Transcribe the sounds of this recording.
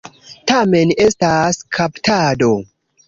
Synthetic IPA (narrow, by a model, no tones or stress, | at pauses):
tame̞ne̞staskʰaptado̞